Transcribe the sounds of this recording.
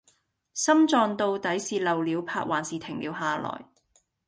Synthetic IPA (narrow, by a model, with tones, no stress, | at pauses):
sɐ˥mt͡ʃɔː˧ŋt̪o˧wt̪ɐ˨˥jsiː˧lɐ˨wliː˨˧wpʰa̰ː˧t̚waː˨˩nsiː˨˧t̪ʰɪ˨˩ŋliː˨˧wɦaː˨˧lɔ̰ː˨˩j